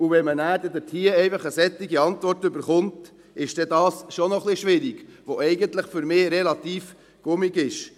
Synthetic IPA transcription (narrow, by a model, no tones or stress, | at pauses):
uvɛmənæːɾd̪ɛdəɾtʰiːəɛɪfɑχəsɛt̪ːɪɡiɑntvɔrtʏbəɾχʊnt | ʔɪʃd̥ɛdɑːsʃonɔχliʃʋɪɾiɡ̥ʋoʔɛɪɡənt̪ləχfʏɾmɪːɾelɑt̪iːf | ɡ̥ʊmiɡɪʃ